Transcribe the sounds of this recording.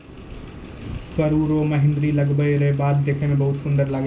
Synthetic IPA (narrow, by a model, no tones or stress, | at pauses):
sɐɾuːɾoːmɐɦɪ̃nd̪ɾilɐɡbəjɾebaːd̪̚d̪eːkʰəmẽbɐɦʊt̪sʊ̃nd̪əɾlaːɡ